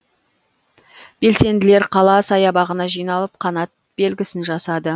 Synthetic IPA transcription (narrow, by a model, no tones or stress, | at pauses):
b̥e̞lse̞nd̪ɪleɾqʰɑlˠɑsɑjɑbɑʁənɑʒijnɑlˠəp̚qʰɑnɑt̪̚be̞lɡʲɪsɪnʒɑsɑd̪ə